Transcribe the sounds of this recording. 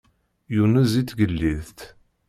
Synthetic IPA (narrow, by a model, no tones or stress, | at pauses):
junəzit͡sːɡəlːiðt̪